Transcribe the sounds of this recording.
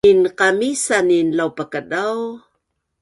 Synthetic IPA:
inqamisaninlawpəkəɗaw

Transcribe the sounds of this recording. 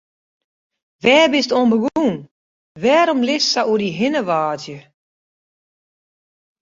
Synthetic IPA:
ʋɛːbɪstonbəɡuːn | ʋɛːɾɔmlɪssaʔuədiɦɪnəʋaːzjə

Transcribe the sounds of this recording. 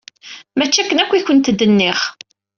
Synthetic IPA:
mæt͡ʃːækːənækʷːiçənt̪d̪ənːɪʁ

